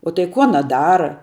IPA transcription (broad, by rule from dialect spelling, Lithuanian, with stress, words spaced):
oː tɐɪ ˈkʊ ɐˈnɐ ˈdɑːrɐ